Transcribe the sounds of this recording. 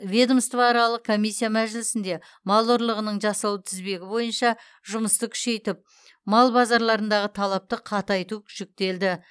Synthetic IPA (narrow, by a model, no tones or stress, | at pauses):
vʲed̪omst̪vɑɑɾɑlˠəq̚kʰo̞mʲijsʲːijamæʒɪlɪsɪnd̪e̞ | mɑlˠoɾlˠəʁənəɴʒɑsɑwət̪ʰɪzbe̞ɡʲɪbo̞jənʃɑ | ʒʊməst̪əkʲʰʏ̥ʃe̞jt̪ɪp̚ | mɑlˠbɑzɑɾlˠɑɾənd̪ɑʁət̪ʰɑlˠɑp̚t̪əqʰɑt̪ɑjt̪ukʲʰʏ̥ʃɪk̚t̪e̞ld̪ɪ